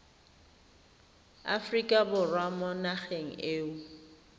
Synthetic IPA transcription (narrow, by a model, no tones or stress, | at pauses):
a̰frikʼabʊrwamɔnaχeŋ̩eːʊ